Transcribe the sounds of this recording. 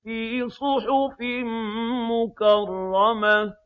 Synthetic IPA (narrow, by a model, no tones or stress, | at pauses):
isˤʊħʊfimʊkarˤːɑma